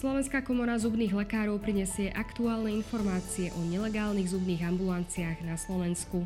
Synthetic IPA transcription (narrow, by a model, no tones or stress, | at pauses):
slɔʋɛnskaːkɔmɔɾazubniːɣlɛkaːɾɔʊpɾiɲɛsɪɛʔakt̪uaːlnɛinfɔɾmaːt͡siɛʔɔɲɛlɛɡaːlniːɣzubniːɣambulant͡siaːɣnaslɔʋɛnsku